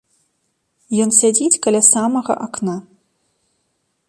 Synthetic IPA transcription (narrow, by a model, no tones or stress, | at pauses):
jɔnsʲad͡zʲit͡sʲkalʲasamɐɣɐ̰ʔakna